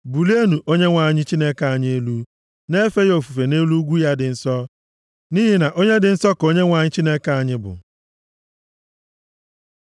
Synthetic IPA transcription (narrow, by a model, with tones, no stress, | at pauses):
bu˨li˦e˦nu˨ʔo˦ɲe˦ŋʷa˨ɲɪ˦t͡ʃi˦ne˦ka˨a˨ɲ˦e˦lu˦ | ne˦fe˦jo˨fu˨fe˨ne˦lu˦ɡʷu˦ja˦dɪ˨n̩˨sɔ˦ | ni˦ɦi˦na˨ʔo˦ɲe˦dɪ˨n̩˦sɔ˦ko˦ɲe˦ŋʷa˨ɲɪ˦t͡ʃi˦ne˦ka˨a˨ɲɪ˦bʊ̰˨